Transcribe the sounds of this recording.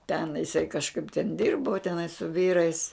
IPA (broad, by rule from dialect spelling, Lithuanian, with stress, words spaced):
tʲɛn jɪˈsɐɪ kɐʃˈkɐɪp tʲɛn ˈdʲɪrbʊ tʲɛˈnɐɪ sʊ ˈʋʲiːrɐɪs